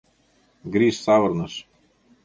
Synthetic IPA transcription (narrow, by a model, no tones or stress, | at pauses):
ɡɾiʃsavəɾnəʃ